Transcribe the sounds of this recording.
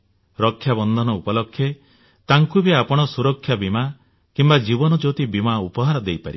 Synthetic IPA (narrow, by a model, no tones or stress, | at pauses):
ɾɔkʰːjabɔnd̪ʱɔnɔupɔlɔkʰːje | t̪aŋkubiapɔɽ̃ɔsuɾɔkʰːjabima | kimbad͡ʒibɔnɔd͡ʒot̪ibimaupɔɦaɾɔd̪ejpaɾḭ